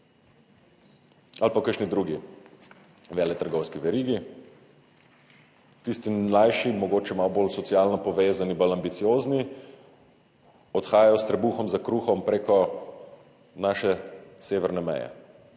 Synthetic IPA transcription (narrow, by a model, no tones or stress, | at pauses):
alpakəɾʃnid̪ɾuːɡi | ʋɛːlɛt̪əɾɡɔwskiʋɛɾiːɡi | t̪ist̪ilajʃimɔɡoːt͡ʃɛmawboːlsɔtsiaːlnɔpɔʋeːzanibalambit̪sijoːzni | ɔt̪xaːjajɔst̪ɾɛbuːxɔmzakɾuːxɔmpɾeːkɔ | naːʃɛseːʋɛɾnɛmɛ̰jɛ̰